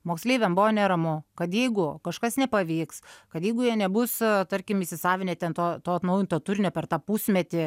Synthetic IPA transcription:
moːksʲlʲeːʋʲɛmbʊʋoːnʲɛɾɐmʊkɐt̪jɛɪɡʊkɐʃkɐsnʲɛpɐʋʲiːkskɐt̪jɛɪɡʊjiɛnʲɛbʊst̪ɐɾʲkʲɪmiʃʲsʲɪsɑːʋʲɪnʲeːt̪ʲɛnt̪oːt̪oːɐt̪nɐʊjɪnt̪oːt̪ʊɾʲnʲɛpʲɛɾt̪ɑːpusʲmʲɛt̪ʲɪ

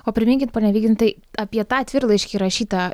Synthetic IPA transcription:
oːpʲɾʲɪmʲɪŋʲkʲɪnt̪poːnʲɛʋʲiːɡʲd̪ʲnt̪ɐɪɐpʲiɛt̪ɑːt̪ʲʋʲɪɾlˠɐɪʃʲkʲiːɾɐʃʲiːt̪ɑ

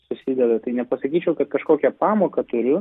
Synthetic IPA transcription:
sʊsʲɪd̪ʲɛd̪ɐt̪ɐɪnʲɛpɐsɐkʲiːt͡ʃʲɛʊkɐt̪kɐʃkoːkʲɛpɑːmoːkɐt̪ʊɾʲʊ

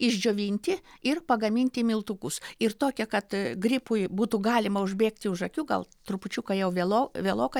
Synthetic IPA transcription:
ɪʒʲd͡ʒʲoːʋʲiːnʲt̪ʲɪɪrpɐɡɐmʲiːnʲt̪ʲɪmʲɪlˠt̪ukʊsɪrt̪oːkʲɛkɐt̪ɡɾʲɪpʊjbuːt̪uɡɑːlʲɪmɐʊʒʲbʲeːkt̪ʲɪʊʒɐkʲuːɡɐ̰lˠt̪ɾʊpʊt͡ʃʲukɐjɛʊʋʲelˠoːʋʲeɛlˠoːkɐ

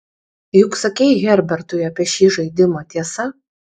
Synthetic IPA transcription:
jʊksɐkʲɛjɣʲɛɾʲbʲɛɾt̪ʊjɐpʲiɛʃʲiːʒɐɪd̪ʲɪmot̪ʲiɛsɐ

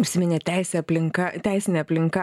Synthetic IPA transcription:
ʊʃʲsʲɪmʲɪnʲet̪ʲɛɪsʲeːɐpʲlʲɪŋkɐt̪ʲɛɪsʲɪnʲeɛɐpʲlʲɪŋkɐ

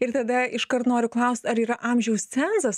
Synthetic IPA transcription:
ɪɾt̪ɐd̪ɐɪʃkɐrt̪noːɾʲʊklˠɐʊsʲt̪ʲɐɾiːɾɐʔɑmʲʒʲɛʊst͡sʲæːzɐs

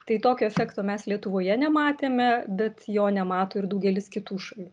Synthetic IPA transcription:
t̪ɐɪt̪oːkʲoːɛfʲæːkt̪oːmʲɛslʲiɛt̪ʊʋoːjɛnʲɛmɑːt̪ʲeːmʲɛbʲɛt̪joːnʲɛmɑːt̪oːɪrd̪ɐʊɡʲɛlʲɪskʲɪt̪uːʃɐlʲuː

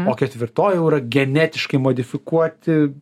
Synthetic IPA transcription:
oːkʲɛt̪ʲʋʲɪɾt̪oːjɛʊiɾɐɡʲɛnʲæːt̪ʲɪʃkɐɪmoːd̪ʲɪfʲɪkuɔt̪ʲɪ

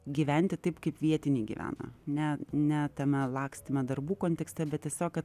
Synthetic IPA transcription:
ɡʲiʋʲɛnʲt̪ʲɪt̪ɐɪpkɐɪpʋʲiɛt̪ʲɪnʲɛɪɡʲḭːʋʲæ̰ːnɐ̰nʲɛnʲɛt̪ʲɛmʲɛlˠɑːksʲt̪ʲɪmʲɛd̪ɐrbuːkoːnʲt̪ʲɛksʲt̪ʲɛbʲɛt̪t̪ʲiɛsʲoːkɐt̪

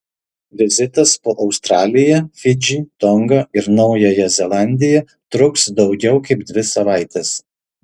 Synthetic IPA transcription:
ʋʲɪzʲɪt̪ɐspoːʔɒʊst̪ɾɑːlʲɪjɛfʲɪd͡ʒʲiːt̪ɔŋɡɐɪɾnɒʊjojɛzʲɛlˠɑˑnʲd̪ʲɪjɛ | t̪ɾʊksd̪ɒʊɡʲɛʊkɐɪpd̪ʲʋʲɪsɐʋɑˑɪt̪ʲɛs

